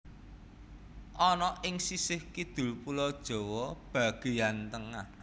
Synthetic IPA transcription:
ʔɔnɔʔɪŋsisɪhkid̪̥ṳlpulɔd̥ʒ̥ɔ̤wɔb̥a̤ɡ̥e̤jant̪əŋah

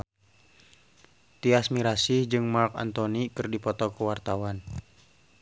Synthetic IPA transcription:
t̪iasmiɾasid͡ʒɨŋmarka̰nt̪ɔnikɨrdipɔt̪ɔkuwart̪awan

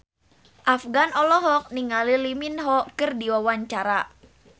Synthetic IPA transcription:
ʔafɡanɔlɔɦɔk̚niŋaliliminɦɔkɨrdiwawaɲt͡ʃaɾa

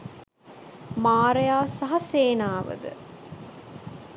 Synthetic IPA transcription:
maːɾəjaːsɐɦɐseːnaːʋə̰d̪ə̰

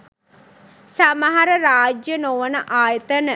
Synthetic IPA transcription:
saməɦɐɾəɾaːd͡ʒjənoʋənəʔaːjət̪ənə

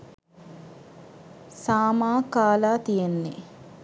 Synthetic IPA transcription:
saːmaːkaːlaːt̪ijenːḛ

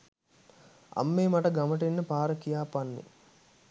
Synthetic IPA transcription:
a̰mːeːmaʈɐɡaməʈ̬enːəpaːɾəkijaːpanːḛ

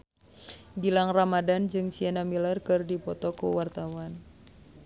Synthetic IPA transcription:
ɡilaŋramadand͡ʒɨŋsianamilarkɨrdipɔt̪ɔkuwart̪awan

